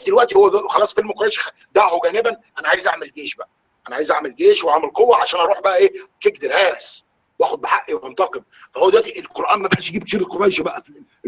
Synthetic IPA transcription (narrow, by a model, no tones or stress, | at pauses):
bsd̪elwæʔt̪ihowːæxɑlɑːsˤfelmkoɾˤæjʃæxæ | d̪æhoɡæːnebænʔænæʕaːjezʔa̰ʕmelɡeːʃbæʔæ | ʔænæʕaːjezʔa̰ʕmelɡeːʃweʕamelqowːæʕaʃæːnʔɑɾˤuːħbæʔæʔeːk̪ek̚d̪eɾæːs | wʔæːxod̪̚beħaʔʔiwemont̪ɑqem | fæhowːæd̪ewæʔt̪iʔelqoɾˤʔæːnmæbæʔæʃjɡiːb̚kʃiɾelqoɾˤæjʃæbæʔæfi